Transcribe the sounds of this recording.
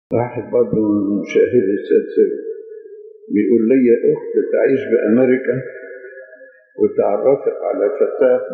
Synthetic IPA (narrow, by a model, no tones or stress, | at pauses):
ɾˤɑːħɪd̪̚bɑɾˤd̪ˤʊmʊʃæːɦɪd̪ɪsæːd̪sɪw̰ | bɪjʔuːlːɪjːaʔʊxt̪t̪ʕiːʃbɪʔameɾɪka | wɪt̪ʕɑrˤːɑfɑqʕa̰lafat̪ːaːf